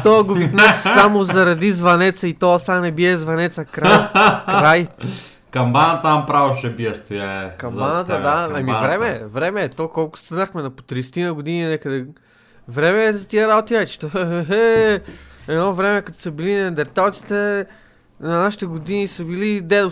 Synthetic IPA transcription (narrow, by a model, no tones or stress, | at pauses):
t̪oɐɡovit̪noxssamozɐɾɐd̪izvɐnɛt̪səit̪oɐsanɛbiɛzvɐnɛt̪sɐkɾakɾaj | kɐmbanət̪ampɾavoʃɛbiɛst̪ojaɛkɐmbanət̪əd̪aɐmivɾɛmɛvɾɛmɛːt̪okɔlˠkʊ̥st̪ɐnaxmɛnɐpo̥t̪ɾist̪inɐɡod̪ininɛkəd̪ɛ | vɾɛmɛːzɐt̪iɛɾaot̪iajt͡ʃi̥t̪oɦɛɦɛ | ɛd̪nɔvɾɛmɛkɐt̪ɔ̥sɐbilinɛd̪ɛɾt̪alˠt̪si̥t̪ɛ | nɐnaʃi̥t̪ɛɡod̪inisəbilid̪ɛd̪ʊ